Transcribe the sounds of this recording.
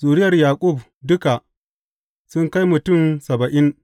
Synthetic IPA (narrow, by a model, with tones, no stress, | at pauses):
zuː˨ɾɪ˦jɐ˨rjaː˨kʷʼʊ˦˨b̚ | dʊ˦ka˨ʔ | sʊ˦ŋka˦jmʊ˨tʊ˦˨nsɐ˨bɐ˨ʔɪ˦n